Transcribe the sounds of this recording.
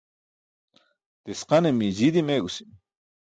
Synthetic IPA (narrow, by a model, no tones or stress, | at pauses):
t̪esqanemid͡ʒid̪imeʔusi̥